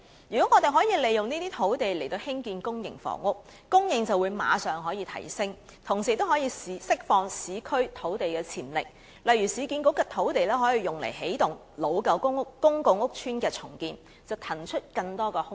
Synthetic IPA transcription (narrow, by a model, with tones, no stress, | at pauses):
jyː˨kɔ˨˥ŋɔː˨˧t̪e˨jɦɔː˨˥jiː˧le˨˩jʊ˨ŋniː˥t̪iː˥t̪ʰo˨˥wt̪e˨jle˨˩jt̪o˧whɪ˥ŋkiː˧nkʊ˥ŋjɪ̰˨˩ŋfɔ̰ː˨˩ŋʊ˥k̚ | kʊ˥ŋjɪ˨ŋt͡sɐ˨wu˨˧jma̰ː˨˧sœː˨ŋɦɔː˨˥jiː˨˧t̪ʰɐ̰˨˩jsɪ˥ŋ | t̪ʰʊ˨˩ŋsiː˨˩t̪o˥whɔː˨˥jiː˧si˨˧sɪ˥k̚fɔː˧ŋsiː˨˧kʰɵ˥ɥt̪ʰo˨˥wt̪e˨jkɛː˧t͡sʰiː˨˩nlɪ̰˨k̚ | lɐ˨jɥyː˨˩siː˨˧kiː˧nko˨˥kɛː˧t̪ʰo˨˥wt̪e˨jlɛː˥ɦɔː˨˥jiː˨˧jʊ˨ŋlḛ˨˩jɦe˨˥jt̪ʊ˨ŋ | lo˨˧wkɐ˨˧˥wkʊ˥ŋ˥kkʊ˥ŋkʊ˨ŋʊ˥k̚t͡ʃʰyː˥nkɛː˧t͡sʰʊ˨˩ŋkiː˧n | t͡sɐ˨wt̪ʰɐ˨˩nt͡ʃʰɵ˥t̚kɐ˧ŋt̪ɔː˥kɛː˧hʊ˥